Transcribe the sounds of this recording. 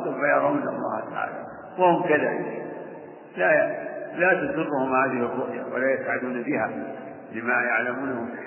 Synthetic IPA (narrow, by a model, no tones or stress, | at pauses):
t̪ˤʊbajɑɾˤuːnɑ̰lˤːɑ̰ːht̪aʕa̰ːla | wahʊmkɪða̰ | lalat̪azʊrːʊhʊmhaːðɪhɪrˤːʊʔja̰wa̰lajat̪ʕad̪uːnbɪha | lɪmajaʕlamuːnahʊm